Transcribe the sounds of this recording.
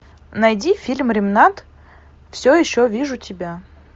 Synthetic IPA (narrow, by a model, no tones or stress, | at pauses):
nɐjdʲifʲilʲmɾʲɪmnat̪ | fsʲojɪɕːovʲiʐʊtʲɪbʲa